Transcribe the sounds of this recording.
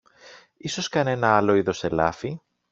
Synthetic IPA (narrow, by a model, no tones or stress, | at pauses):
iso̞skɐne̞nɐɐlo̞iðo̞se̞lɐ̰fi